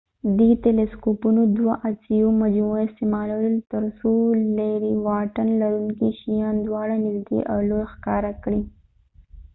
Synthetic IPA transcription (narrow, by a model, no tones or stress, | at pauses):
d̪it̪eleskopunod̪waʔat͡sijomad͡ʒmuɪst̪ɪmɑlawəlt̪əɾsolaɾiwɑʈanlaɾuŋkiʃijɑnd̪wɑɽanɪzd̪ḛʔa̰wlojxkɑɾakɽi